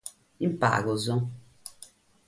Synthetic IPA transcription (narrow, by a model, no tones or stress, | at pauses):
impa̰ːɡʊzʊ